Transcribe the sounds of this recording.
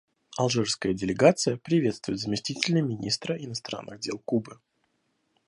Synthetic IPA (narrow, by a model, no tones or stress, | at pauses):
ɐlˠʐɛrskəjədʲɪlʲɪɡat̪sɨjəpɾʲɪvʲe̞t̪st̪vʊjɪt̪zəmʲɪsʲtʲitʲɪlʲnəmʲɪnʲist̪ɾəʔɪnɐst̪ɾa̰nːɨɣdʲe̞lˠkubɨ